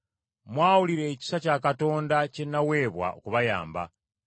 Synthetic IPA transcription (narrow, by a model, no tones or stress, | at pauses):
mwaːwuliɾe̞ːci̥sacaːkato̞ːndace̞nːawe̞ːβwa̰ʔo̰kuβaja̰ːmba̰